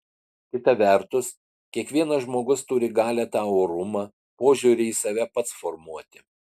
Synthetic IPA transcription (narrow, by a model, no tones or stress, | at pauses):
kʲɪt̪ɐʋʲɛˑɾt̪ʊs | kʲiɛkʋʲiɛnɐʒmoːɡʊst̪ʊɾʲɪɡɑːlʲɛt̪ɑːʊɾʊmɑː | poːʒʲuːɾʲɪisɐʋʲɛpɐt̪sfɔɾmuɔt̪ʲɪ̥